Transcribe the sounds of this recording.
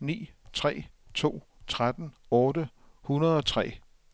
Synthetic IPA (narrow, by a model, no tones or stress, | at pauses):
nḭːt͡sʰʁɛ̰ːt͡sʰo̝̰ː | t͡sʰʁad̥n̩ɔːdə | hunɐð̞̩ˠɒ̽t͡sʰʁɛ̰ː